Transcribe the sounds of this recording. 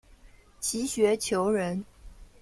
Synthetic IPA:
t͡ɕʰi˧˥ɕɥɛ˧˥t͡ɕʰjo˧˥ʊɻə˧˥n

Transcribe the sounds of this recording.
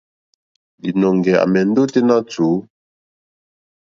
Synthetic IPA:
di˨nɔ˨ŋ˨ɡɛ˨a̰˨mɛ˨n̩˦do˦te˦na˦t͡su˨˦

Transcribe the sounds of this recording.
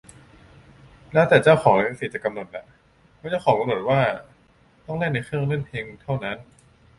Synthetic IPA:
lɛː˦˥wt̪ɛː˨˩t͡ɕaː˥˩wxʰɔː˩˦ŋna˧siː˨˩t̚t͡ɕa˨˩ka˧mno˨˩t̪̚la˨˩ | pʰɛː˦˥t͡ɕaː˥˩wxʰɔː˩˦ŋka˧mno˨˩t̪̚waː˥˩ | t̪ɔ˥˩ŋle˥˩na˧jxʰɯ˥˩əŋlɯ˥˩˨npʰeː˧ŋt̪ʰa˥˩wna˦˥n

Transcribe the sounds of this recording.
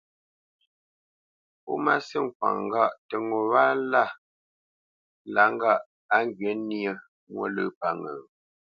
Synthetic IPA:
po̰˦ma˦si˦˨ŋ˨k̚wa̰˨ŋ˦ɡa˦˨ʔtə˨ŋo˨wa˦la˦˨ | la˨˦ŋ̩˦ɡa˦˨ʔ | a˦ŋ˦ɡɥe˨˦ni˦ə˦ | mwo̰˦lə˦pa˦˨ŋə˨

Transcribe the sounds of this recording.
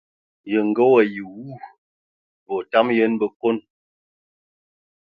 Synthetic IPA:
jə˨ŋ˨ɡə˦wə˨ji˨wu˦˨ | bɔ˨ta˦mjə˦nbə˦˨ko˦n

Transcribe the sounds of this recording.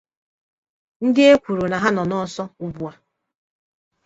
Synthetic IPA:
n̩˦dɪ˦e˦kʷu˨ɾu˨na˨ɦa˦nɔ˨nɔ˦sɔ˦u˨bu˨a˨

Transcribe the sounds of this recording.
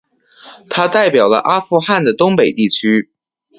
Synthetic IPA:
t̪ʰa˥t̪a˥˩ɪpjɑ˨˩ʊlə̰˧ʔa˥fu˥˧xa˥˩nd̪ə˩t̪ʊ˥ŋpe˨˩ɪt̪i˥˩t͡ɕʰy˥

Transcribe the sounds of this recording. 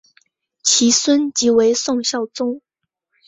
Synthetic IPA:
t͡ɕʰi˧˥swə˥nt͡ɕi˧˥we˧˥ɪsʊ˥˧ŋɕjɑ˥˩ʊt͡sʊ˥ŋ

